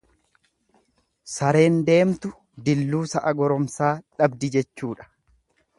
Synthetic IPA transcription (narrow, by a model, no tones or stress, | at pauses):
sɐɾe̞ːnd̪e̞ːmt̪ʊ | d̪ɪlːuːsɐʔɐɡɔɾɔmsaːᶑɐbd̪ɪd͡ʒɛt͡ʃːuːᶑɐ̥